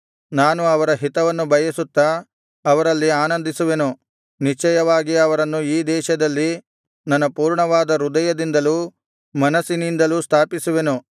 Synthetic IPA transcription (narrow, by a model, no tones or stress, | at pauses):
naːnuɐʋɐɾɐɦit̪ɐʋɐnːubɐjɐsut̪ːɐː | ʋɐɾɐlːiaːnɐnd̪isuʋe̞nu | nit͡ʃɛjɐʋaːɡiɐʋɐɾɐnːuiːd̪ɛːʃɐd̪ɐlːi | nɐnːɐpuːɾɳɐʋaːd̪ɐɾud̪ɐjɐd̪ind̪ɐlu | mɐnɐsinind̪ɐlust̪ʰaːpisuʋe̞nu